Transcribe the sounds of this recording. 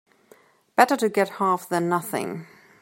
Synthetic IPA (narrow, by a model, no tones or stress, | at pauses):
b̥ɛɾə˞ɾɨɡɛt̚hɑˑfðə̃nːʌθɪ̰̃ŋ